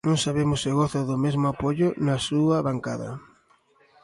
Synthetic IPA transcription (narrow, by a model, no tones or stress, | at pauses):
nõŋsaβemʊsɪɣoθɐðʊmezmʊapoʎʊnɐsuɐβaŋkaðɐ̰